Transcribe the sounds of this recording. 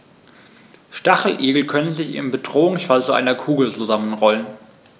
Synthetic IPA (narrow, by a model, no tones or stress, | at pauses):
ʃtaχl̩ʔeːɡl̩kʰœnənzɪçɪ̰nbədʁoːʊŋsfalt͡suʔa̰ɪnɐkʰuːɡl̩t͡suzamənʁɔlən